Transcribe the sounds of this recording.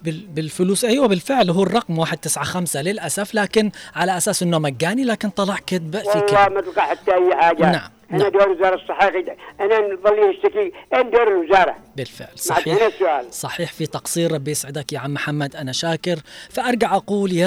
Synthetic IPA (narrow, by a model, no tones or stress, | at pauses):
bɪbɪlfʊluːsʔajwabɪlfɪʕlɦuːrˤːɑqmwaːħɪd̪̚t̪ɪsʕaxamsalɪlʔasaflaːkɪnʕalaʔasaːsʔɪnːomaɡːaːnilaːkɪnt̪ˤɑlɑʕkɪt̪̚baʔwilˤːɑːmat̪ɪlqɑħat̪ːaʔajːħaːɡanaʕamʔanad̪oːɾwɪzɑːɾˤɑsˤːɑħɑːxiʔananðˤɑlːinɪʃt̪akiʔeːnd̪oːɾɪlwɪzɑːɾˤɑ̰bɪlfɪ̰ʕlsˤmɑʕiːɪnasːʊʔaːlsˤɑħiːħfit̪ɑqsˤiːɾˤɾˤɑbːjɪsʕɪd̪akjaʕamːʊħamːad̪ʔanaʃaːkɪɾfaʔɑɾˤɡaʕʔaquːlja